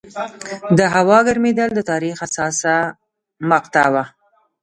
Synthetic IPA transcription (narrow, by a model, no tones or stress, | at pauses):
d̪əɦawɑɡaɾmed̪ald̪ət̪ɑɾixasɑsa | maqt̪awa